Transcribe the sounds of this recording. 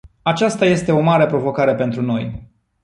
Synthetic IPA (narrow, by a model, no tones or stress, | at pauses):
at͡ʃast̪aje̞st̪e̞o̞maɾe̞pɾo̞vo̞kaɾe̞pe̞nt̪ɾuno̞j